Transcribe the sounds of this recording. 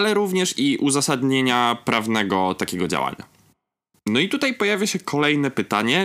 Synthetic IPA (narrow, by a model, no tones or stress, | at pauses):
alɛɾuvɲɛʂiʔuzasad̪ɲeɲapɾʔavnɛɡɔt̪akʲɛɡɔd͡ʑa̰wa̰ɲa̰ | nɔit̪ut̪ajpɔjavʲjaɕɛkʰɔlɛjnɛpɘt̪aɲɛ